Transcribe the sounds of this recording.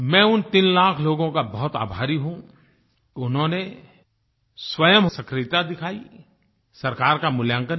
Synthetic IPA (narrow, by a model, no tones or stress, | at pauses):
mɛ̃ʊnt̪inlaːkʰloːɡõkabɐɦʊt̪a̰ːbʱaːɾiɦũ | ʊnɦõne | swɐjəmɦsɐkɾɪt̪ad̪ɪkʰaːḭ | sɐɾkaːɾkamʊljãːŋkə